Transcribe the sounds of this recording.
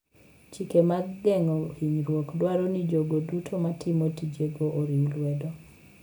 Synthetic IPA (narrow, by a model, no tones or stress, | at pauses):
t͡ʃikemaɡɡɛŋɔiɲɾwɔkdwaɾɔnid͡ʒoɡodutʰomatʰɪmotid͡ʒeɡoʔːɾimlwɛdɔ